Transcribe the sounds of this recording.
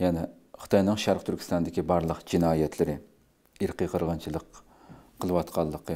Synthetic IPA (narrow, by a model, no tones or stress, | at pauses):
jɛnɪ | χɨ̥t̪ʰɑjnɨŋʃɑɾqt̪ʰyɾkʲʰi̥st̪ɑnd̪ɪkʲibɑɾlˠəqd͡ʒinɑːjɛt̪ʰlɪɾɪ | iɾqʰəqʰəɾʁɑnt͡ʃʰilˠəqʰː | əlˠɨwɑt̪qʰɑlˠːəqə